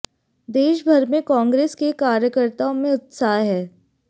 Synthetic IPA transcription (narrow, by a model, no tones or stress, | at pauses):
d̪eːʃbʱɐɾmẽkɔ̃ːŋɡɾeːskekaːɾjəkəɾt̪aõmẽʊt̪saːɦɛː